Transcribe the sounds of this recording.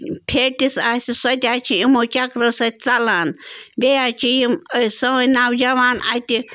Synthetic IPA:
pʰeʈisasisɐt̪ʲat͡ʃʰijimot͡ʃakɾəsɐt̪̚ʲt͡salaːnbejat͡ʃijiməsɐwəjnawd͡ʒɐʋaːna̰t̪i

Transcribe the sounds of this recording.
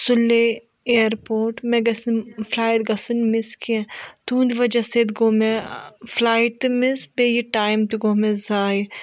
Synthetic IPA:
sʊlːe | eːɾpoːɾʈmẽɡɐsnfʰlaːjʈɡɐsunmɪskiɛ̃t̪ũːnd̪iʋɐd͡ʒɐsed̪ɡoːmẽfʰlaːjʈ̚t̪ɨmɪsbejiʈaːjmt̪iɡoːmẽzaːj

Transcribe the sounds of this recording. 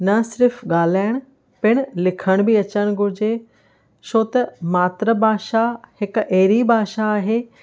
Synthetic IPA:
nɐsɪɾfʰɠaːl̤aːɪɽ̃ | pɪɽ̃lɪkʰəɽ̃bɪɐt͡ɕəɽ̃ɡʊɾd͡ʑe | ʃʰoːt̪ɐmaːt̪ɾəbʱaːʃahɪkʔeːɾibʱaːʃaːɦeː

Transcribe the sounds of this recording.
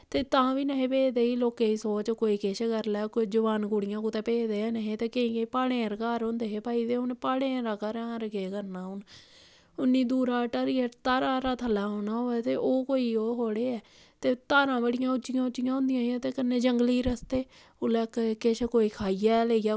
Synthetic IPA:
t̪eːt̪ãːʋiːnəɦẽːpeːd̪eːiːloːkeːiːsoːt͡ʃkoːiːkɪt͡ʃʰkəɾlɛːkd͡ʒəʋaːnɡuːɽɪjãːkũːt̪ɛ̃ːpeːd̪eːɛːnəɦẽːt̪eːkeĩːepaːɽẽːɾkaːɾõːnd̪eːɦeːpaːiːd̪eːʊnpaːɽeːɾaːkəɾãːɾəɡeːkəɾnaːʊn | ʊnːiːd̪uːɾaːʈaɾiət̪aːɾãːɾaːt̪ʰəlːaːɦoːnaːoːɛːt̪eːʔoːkoːiːoːɦoːɽeːɛː | t̪eːt̪aːɾãːbəɽɪjãːʊt͡ʃːɪjãːʊt͡ʃːɪjãːɦʊ̃ːnd̪ɪjãːijãːt̪eːkənːeːd͡ʒəŋɡliːɾəst̪eː | ʊlɛːkkɪʃʰkoːiːkʰaːijaːleːijaː

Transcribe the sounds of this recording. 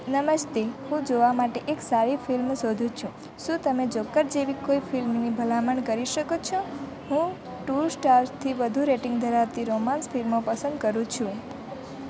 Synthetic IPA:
nəməʃt̪eɦũd͡ʒoʋamaʈeʔeksaɾifilmsod̪ʱũt͡ʃʰũ | ʃũt̪əmed͡ʒokːəɾd͡ʒeʋikoifilmnibʱəlaməɳkəɾiʃəkot͡ʃʰõ | hũ | ʈuɾsʈaɾt̪ʰiʋəd̪ʱuɾeʈɪŋɡd̪ʱəɾaʋt̪iɾomansfʰilmopəsə̃nd̪kəɾũt͡ʃʰũ

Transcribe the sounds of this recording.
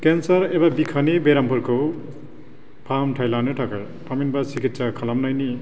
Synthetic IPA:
kensʌɾebabikʰanibeɾampʰuɾkʰow | pʰamʈʰajlaneʈʰakaj | pʰaminbasikitːsakʰalamnajni

